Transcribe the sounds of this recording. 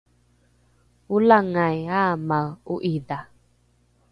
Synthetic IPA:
ulaŋajamauʔida

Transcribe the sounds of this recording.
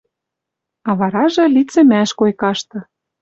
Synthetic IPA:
ɑβɑɾɑʒɤ̆lit͡sɘ̆mæʃkojkɑʃt̪ɤ̆

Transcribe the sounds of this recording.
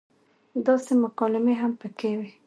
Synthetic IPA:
d̪ɑsemʊqɑlɪmeɦampəkewi

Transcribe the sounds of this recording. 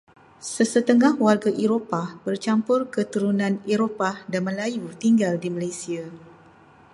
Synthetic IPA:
səsət̪əŋahwarɡaʔeɾopabərt͡ʃampʊrkət̪uɾunãneɾopadanməlajut̪iŋɡaldimalajsia

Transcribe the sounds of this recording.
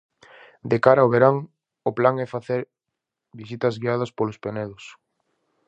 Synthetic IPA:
d̪ekaɾaoβeɾaŋ | oplaŋɛfaθeɾ | bisit̪ɐzɣiaðɐspolospeonɛðʊs

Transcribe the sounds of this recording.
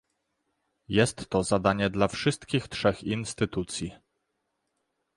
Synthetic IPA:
jɛst̪ːɔzad̪aɲɛd̪lafʂɘst̪kʲixtʂɛxinst̪ɘt̪ut̪sʲji

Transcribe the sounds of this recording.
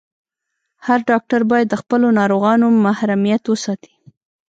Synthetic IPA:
haɾɖɑk̚ʈaɾbɑjad̪ːəxpəlonɑɾoɣɑnomahɾamijat̪wəsɑt̪i̥

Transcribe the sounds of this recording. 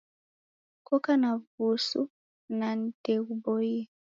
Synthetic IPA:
kɔkanavusṵ | nan̩tɛubɔjɛ

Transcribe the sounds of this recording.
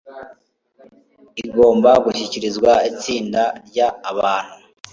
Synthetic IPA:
iɡo̞ːmbaɡuçiciɾizɡwait͡siːndaɾɟaːβaːn̥hu

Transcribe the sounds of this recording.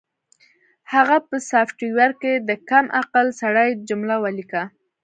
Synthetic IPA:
haɣapəsafʈiwaɾked̪əkamʔaqalsaɽajd͡ʒʊmlawalika

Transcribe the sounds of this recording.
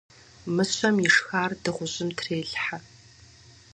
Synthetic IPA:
mɨɕʷɐmjɪʂxaːrdɨʁʷʊʑɪmtʰreːɮħa

